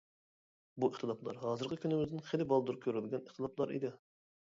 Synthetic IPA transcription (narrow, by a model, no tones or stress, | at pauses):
buəχt̪ʰɨlˠɑplˠɑ̰ɾɦɑːzɨɾqʰəkʲʰynɪmɪzd̪ɪnχelɪbɑlˠd̪uɾkʲʰøɾylɡʲɛniχt̪ʰɨlˠɑplˠɑɾḭd̪ɪ